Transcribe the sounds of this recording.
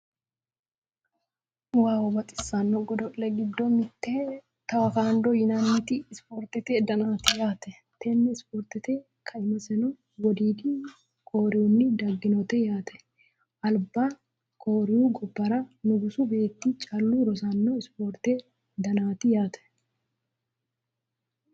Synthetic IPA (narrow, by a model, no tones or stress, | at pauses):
waːwɔbɐt̪ʼɪ̥sːɐnːɔɡɔd̪ɔʔlɛɡɪd̪ːɔmɪt̪ːeː | t̪ɐwɐkaːnd̪ɔjɪnɐnit̪ɪːspoːɾt̪ɪt̪eːd̪ɐnaːt̪ɪjaːt̪ɛ | t̪ʰɛnːɛɪspoːɾt̪ɪt̪eː | kʰɐɪmɐsɛnɔ | wɔd̪iːd̪i | koːɾɪwʊnːɪd̪ɐɡːɪnɔt̪ɛjaːt̪ʰɛ̥ | ʔɐlbːa | kʰo̞ːɾɪjuɡɔbːɐɾɐnʊɡʊsʊbe̞ːt̪ːɪt͡ʃʼɐlːuːɾɔsɐnːɔɪspoːɾt̪e | d̪ɐnaːt̪ɪjaːt̪ʰɛ̥